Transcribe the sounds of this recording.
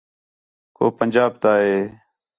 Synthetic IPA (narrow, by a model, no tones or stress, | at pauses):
ko̰ːpənd͡ʒaːb̚t̪aːɦeː